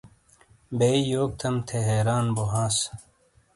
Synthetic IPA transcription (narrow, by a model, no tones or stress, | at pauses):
beːjoːk̚t̪ʰɐmt̪ʰeɦeːɾaːnboɦãːs